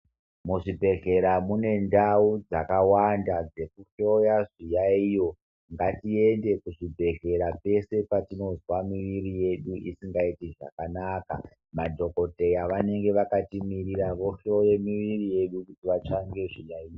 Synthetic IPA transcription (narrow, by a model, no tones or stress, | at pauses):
muʐibʱe̞ɮe̞ɾamune̞ndaud͡zakawandad͡ze̞kuʃo̞jaʐijaijo̞ | ŋɡatie̞nde̞kuʐibʱe̞ɮe̞ɾape̞se̞patino̞zwamiʋiɾije̞ɗuʔisiŋɡaitiʐa̰kanaka̰ | madʱo̞ko̞te̞jaʋane̞ŋɡe̞ʋakatimiɾiɾaʋo̞ʃo̞je̞miʋirije̞ɗukutiʋat͡ʃaŋɡe̞ʐijaijo